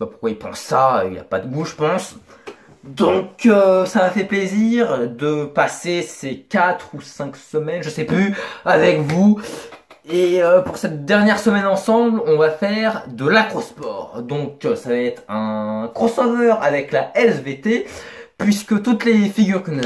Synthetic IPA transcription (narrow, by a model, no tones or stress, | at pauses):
papuʁkwailpɑ̰̃sːaḭlja̰pad̪əɡuʒəpɑ̃s | d̪ɔ̃køsamafɛpleziʁd̪əpasesekʲat̪χusɛ̃ksəmɛnʒəsɛplyavɛkvu | eøpuʁsɛt̪̚d̪ɛʁnjɛʁsəmɛnɑ̃sɑ̃blɔ̃vafɛʁd̪əlakχospɔʁd̪ɔ̃ksavaɛt̪χɛ̃kɔ̃sovœʁavɛklaʔɛsvet̪epɥiskət̪ut̪lefiɡʲyʁkənu